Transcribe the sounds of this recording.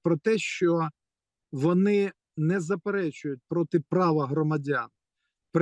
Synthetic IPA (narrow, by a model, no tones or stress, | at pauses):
pɾɔt̪ɛʃt͡ʃɔ | ʋɔnɪ | nɛzɐpeɾɛt͡ʃʊjʊt̚ʲpɾɔt̪ɪpɾɑʋɐɦɾɔmɐdʲan | pɾ